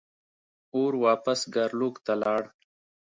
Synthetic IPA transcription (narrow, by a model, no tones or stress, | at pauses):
oːɾwɑːpəsɡaɾluːkt̪alɑːɽ